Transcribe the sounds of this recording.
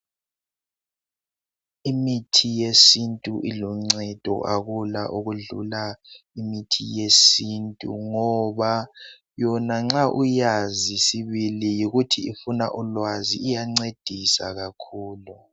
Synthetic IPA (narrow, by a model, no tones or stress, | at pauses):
imitʰijesintʼuʔiluŋ͡ǀɛd̥ʱɔ̰ʔaɣula̰ʔuɣuɮṵlaimitʰijesintʼṵŋɔβa | jɔnaŋ͡ǁaʔujazisiβilijiɣutʰiifuna̰ʔulwaziːjaŋ͡ǀed̥ʱisa̰ɣakʰuːlu